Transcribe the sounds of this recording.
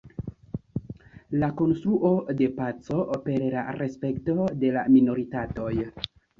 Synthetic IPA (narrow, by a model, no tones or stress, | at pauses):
lako̞nstɾuʔo̞de̞pat͡so̞pe̞ɾla̰ɾe̞spe̞kto̞de̞lamino̞ɾitato̞j